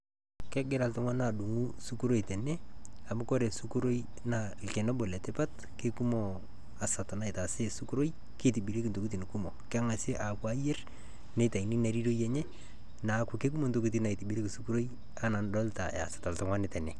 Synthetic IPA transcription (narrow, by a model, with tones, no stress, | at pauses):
kɛ˦ɡɪ˦ɾa˨ltʊ˦ŋwa˦na˨du˨ŋu˦su˦ku˦ɾo˦i˨tɛ˨nɛ˦a˨mʊ˦ko˦ɾe˨su˦ku˦ɾo˦j | na˨ke˨nɔ˦bo˨lɛ˨tɪ˦pa˦t | ke˦ku˦mo˨ | a˨sa˨to˨na˦ɪ˨ta˨se˦su˦ku˦ɾo˦j | ke˦ti˨bi˨ɾe˦kɪ˨nto˨ku˦ti˨n˨ku˦mo˨kɪ˦a˦ŋa˨se˦ʔa˨kwa˦jɛ˦r | ne˦ta˨i˨ni˦na˨˦ɾi˦ɾo˦jɛ˦ɲɛ˦ | na˨˦kʊ˨ke˦k̬u˦mo˦nto˨ku˦t̬i˦na˨i˨ti˨bi˨ɾe˦ki˨su˦ku˦ɾo˦j | a˦na˨ndɔ˦lta̰˨a̰˨sḁta˨ltʊ˨ŋwa˦nɪ˦tɛ˨nɛ˨